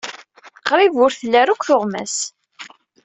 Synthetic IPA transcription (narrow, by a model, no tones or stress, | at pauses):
qɾˤivʊɾθlːæɾukʷːθoʁmæ̰s